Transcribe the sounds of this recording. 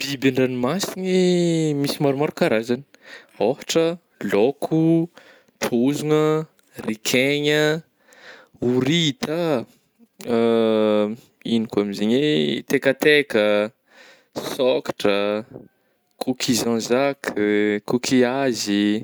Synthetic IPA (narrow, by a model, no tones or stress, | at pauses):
b̥ibeɳɖ͡ʐanimasinimisimaɾumaɾukaɾazani̥ | ofḁʈ͡ʂə | lokʰu | ʈ͡ʂʰozuŋə | rikʰeɲə | uɾit̪a | inikamizeɲet̪ekət̪ekə | sɔkḁʈ͡ʂə | kʰukʰizãzakkukʰiazi